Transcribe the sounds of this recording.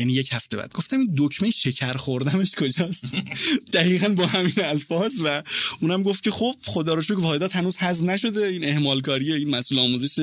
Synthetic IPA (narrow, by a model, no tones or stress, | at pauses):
jæniːjechæft̪e̞bæ̰ːd̪̚ɡo̞ft̪æmind̪ocʰmeʃecʰæɾxoɾd̪æme̞ʃkʰod͡ʒɒːst̪d̪̥æɣiːɣænbɒːhæminælfɒːzvæʔuːnæmɡoft̪̚cʰe̞xob̥̚χod̪ɒːɾɒʃ̬okvɒːed̪ɒːt̪hænuːzhæzmnæʃo̞d̪eine̞hmɒːlkɒːɾijeiːnmæsʔuːleɒːmuːze̞ʃe